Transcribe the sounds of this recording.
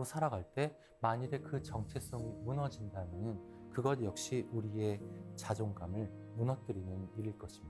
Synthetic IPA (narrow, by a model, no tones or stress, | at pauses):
osʰaɾaɡaɭt͈e̞ | maɲiɾekɯt͡ɕʌŋt͡ɕʰe̞s͈oŋmunʌd͡ʑindamjʌnɯn | kɯɡʌdjʌk̚ɕ͈iʔuɾie̞t͡ɕad͡ʑoŋɡamɯɭ | munʌt̚t͈ɯɾinɯniɾiɭk͈ʌɕʰimi